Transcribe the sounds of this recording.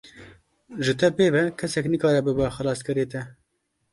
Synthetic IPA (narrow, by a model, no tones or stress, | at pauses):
ʒɨt̪ʰɛpeːvɛkʰɛsɛknɨkɑːɾɛbɨbɛxɨlɑːst̪̚kɨɾeːt̪ɛ